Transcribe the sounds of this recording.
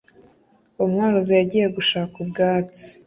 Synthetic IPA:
omŋaːɾozejaɟiːje̞ɡuʃaːkubɡaːt͡si̥

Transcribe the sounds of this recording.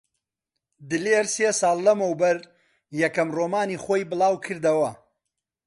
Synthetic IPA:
d̪ɨleɾseːsɑːlˠːɐmɐwbɐɾ | jɐkɐmroːmaːniːχoːjbɨlˠɑːwkʰɨɾd̪ɐwɐ

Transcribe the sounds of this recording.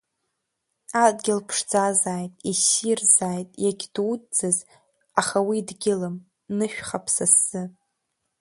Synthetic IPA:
adɡʲɪlpʰʂd͡zazaːjtʼisirzaːjtʼjaɡʲd̥udd͡zɨz | aχawidɡʲɪlɨm | nɨʃᶣχapʰsasːɨpʼ

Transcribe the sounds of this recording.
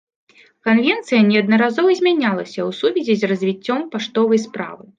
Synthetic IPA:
kanvʲɛnt̪sɨjɐnʲɛɐd̪̚nɐɾazɔvɐzʲmʲanʲalˠɐsʲɐwsuvʲɛzʲizʲrɐzʲvʲit͡sʲːɔmpaʂt̪ɔvɐjspɾa̰vɨ

